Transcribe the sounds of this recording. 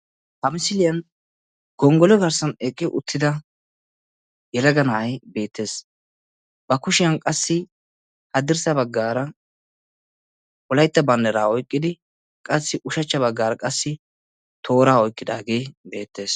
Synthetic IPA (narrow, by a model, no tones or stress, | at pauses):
hɐmɪsɪlɪjɐn | ɡ̥ɔŋɡɔlɔɡɐɾsɐnɛkʼːɪʔʊ̰t̪ʰːɪd̪ɐ | jɛlɐɡɐnɐʔɐjbe̞ːt̪ːe̞ːs | bɐkʊʃɪjɐnkʼɐsːɪ | hɐd̪ɪɾsɐbɐɡːaːɾɐ | ʔɔlɐjt̪ːɐbɐnd̪ɛɾaːɔjkʼːɪd̪ɪ | kʼɐsːɪʔʊʃɐt͡ʃːɐβɐɡːaːɾɐkʼɐsːɪ | t̪ʰo̞ːɾaːɔjkʼːɪd̪a̰ːɡe̞ːbe̞ːt̪ːe̞ːs